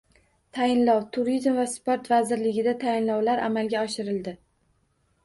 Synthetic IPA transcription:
t̪ʰajɪnlɒwt̪ʰʊɾizmvaspoɾt̪vazɪɾlɪɡʲɪd̪at̪ʰajɪnlɒwlaɾʔa̰malɡʲaɒʃɪɾɪld̪ɪ

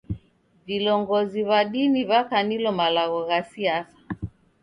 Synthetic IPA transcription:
vilɔŋɡɔziβaɗiniβakanilɔmalaɣɔɣasiasḁ

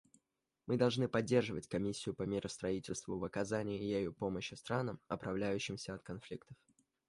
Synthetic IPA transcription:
mɨd̪ɐlˠʐnɨpɐdʲːe̞rʐɨvətʲkɐmʲisʲːɪjʊpəmʲɪɾʔəst̪ɾɐitʲɪlʲst̪vʊvɐkɐzanʲɪɪjejupo̞məɕɪst̪ɾanəmɐpɾɐvlʲæjʉɕːɪmsʲəɐt̪kɐnflʲikt̪ə̥f

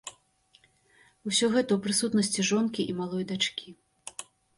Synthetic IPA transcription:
usʲɔɣɛt̪ɐuwpɾɨsut̪nɐsʲt͡sʲiʐɔnkʲiʔimalˠɔjd̪at͡ʂkʲi

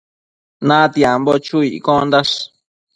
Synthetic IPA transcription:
nãt̪jambot͡ʃuiʔkõnd̪aʂ

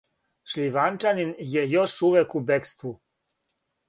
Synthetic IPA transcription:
ʃliʋant͡ʃaninjejoʃuʋekubekst̪ʋu

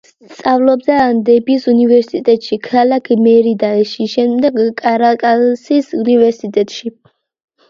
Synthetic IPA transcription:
st̪sʼavlɔbzɛand̪ɛbisunivɛɾsit̪ʼɛt̪ʼʃikʰalakʰmɛɾid̪aɛʃiʃɛmd̪ɛɡkʼaɾakʼasisunivɛɾsit̪ʼɛt̪ʼʃi

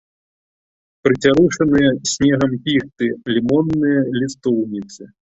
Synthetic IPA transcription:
pɾɨt͡sʲaɾuʂɐnɨjɐsʲnʲɛɣɐmpʲixt̪ɨlʲimɔnːɨjɐlʲist̪ɔwnʲit̪sɨ

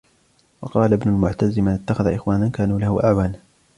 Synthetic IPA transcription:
wɑqɑːlabnʊlmʊʕt̪azɪmanɪt̪ːaxaðaʔɪxwaːnankaːnuːlahʊʔaʕwaːna

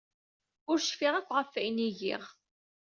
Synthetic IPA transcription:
ʊɾʃfiʁækʷːʁəfːæjniʝḭʁ

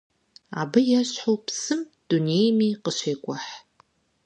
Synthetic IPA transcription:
a̰ːbɐjɛɕħowpsɨm | d̥uneːjmiːqəɕeːkʷʼɔħ

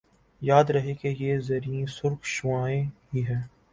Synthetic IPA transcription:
jaːd̪ɾɐɦekejezɐɾiẽsʊɾkʃʊʋaːẽɦiɦɛː

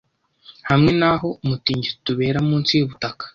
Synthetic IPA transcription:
hamŋe̞naɦo̞umutiːɲɟituβe̞ːɾamuːnt͡sijoβutakḁ

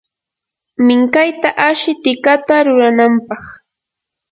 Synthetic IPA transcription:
mɪŋkajt̪aʔaʃɪt̪ɪkat̪aɾʊɾanampɑχ

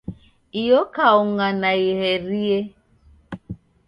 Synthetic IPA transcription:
ijɔkauŋanaihɛɾie

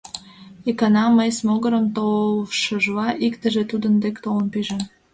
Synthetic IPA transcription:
ikɑnɑməjsmoɣəɾəmt̪oʃəʒlɑʔikt̪əʒet̪ud̪ənd̪ekt̪olənpiʒe

